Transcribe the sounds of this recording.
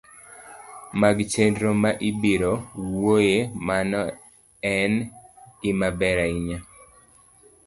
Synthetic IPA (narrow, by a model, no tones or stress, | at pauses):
maɡt͡ʃendɾomaʔibiɾowojemanɔ | ɛnɪmabɛɾaiɲa